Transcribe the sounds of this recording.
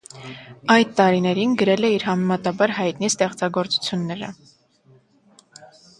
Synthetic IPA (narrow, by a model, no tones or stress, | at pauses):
ɑjd̪t̪ɑɾinɛɾinɡəɾɛlɛiɾɦɑmɛmɑt̪ɑbɑɾɦɑjt̪nist̪ɛχt͡sɑɡɔɾt͡su̥t͡sʰjunːɛɾə̰